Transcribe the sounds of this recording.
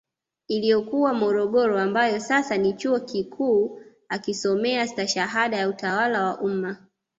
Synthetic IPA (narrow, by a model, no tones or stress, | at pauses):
ilijɔkuwamɔɾɔɠɔɾɔambajɔsasanit͡ʃuɔkikʰuː | akisɔmɛastaʃaɦaɗajautawalawaʔuma